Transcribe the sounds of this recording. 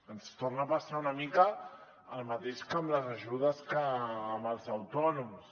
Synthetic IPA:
ənst̪ornapasaunəmikə | əlˠmət̪eʃkəmləzəʒuð̞əskəːməlˠzəwt̪ɔnums

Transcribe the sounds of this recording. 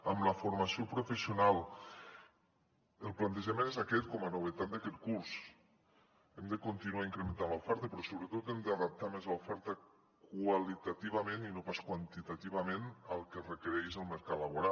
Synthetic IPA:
amlafoɾmasiopɾufesiunalˠ | əlˠplant̪eʒamenezakɛt̪kɔmanuβ̞et̪at̪̚d̪akɛt̪kuɾz̥ | emd̪əkont̪inuaiŋkɾement̪anlawfɛɾt̪əpɾɔsoβɾət̪ot̪emd̪aðap̚t̪amezawfɛɾt̪ə | kwalit̪at̪iβameninopaskwant̪it̪at̪iβamenalˠkerekeɾɛzəlˠməɾkat̪laβoɾa

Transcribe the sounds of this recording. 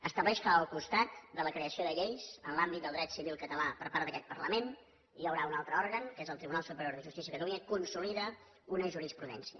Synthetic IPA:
əst̪əβlɛʃkəəlˠkust̪at̪̚d̪ələkɾeəsioðəʎejzənlambit̪d̪əlˠd̪ɾɛt̪siβilˠkət̪əlapəɾpaɾt̪əkɛt̪̚pərləmen | ijəwɾaunalˠt̪ɾəɔɾɣəŋkezəlˠt̪ɾiβunalˠsupəɾjoɾðəʒust̪is̬iəkət̪əluɲəkunsuliðə | unəʒuɾispɾuðɛnsiə̰

